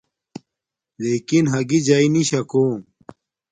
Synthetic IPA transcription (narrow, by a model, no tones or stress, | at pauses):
leːkinɦɐɡid͡ʑainiɕɐkoː